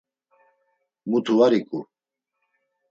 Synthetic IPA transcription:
mut̪ʰuaɾikʼu

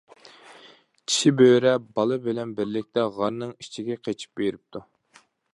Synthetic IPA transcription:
t͡ʃʲʰi̥ʃibøːɾɛbɑlˠɨbɪlɛnbɪɾlɪk̚ʲt̪ʰɛʁɑɾnɨŋit͡ʃʰiɡʲɛqʰet͡ʃʰi̥p̚beɾɪp̚t̪ʰu

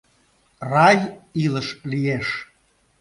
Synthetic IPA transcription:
rɑjiləʃlijeʃ

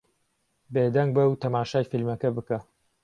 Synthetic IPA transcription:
beːd̪ɐŋɡ̚bɐwt̪ʰɐmaːʃaːjfilmɐkɐbɨka

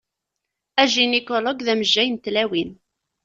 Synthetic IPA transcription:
æʒinekɔlɔɡðæməʒːæjənt̪læwin

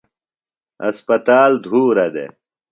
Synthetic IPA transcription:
ɐ̰spɐt̪aːld̪ʱuːɾɐd̪ḛ

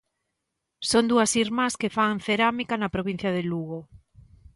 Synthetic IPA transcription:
sond̪uɐsiɾmaskefaŋθeɾamikanɐpɾoβin̟θjɐðeluɣ̞o

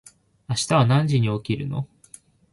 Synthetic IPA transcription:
aɕi̥t̪aβanãɲd͡ʑiɲ̟io̞kʲiɾɯ̟̰no̞̰

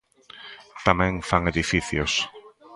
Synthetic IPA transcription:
t̪amẽŋfaŋeðifiθjos

